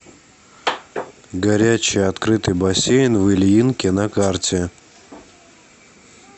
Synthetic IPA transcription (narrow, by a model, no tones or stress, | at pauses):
ɡɐɾʲæt͡ɕɪjɐt̪kɾɨt̪ɨjbɐsʲejnʲvɨlʲinkʲɪnɐkartʲɪ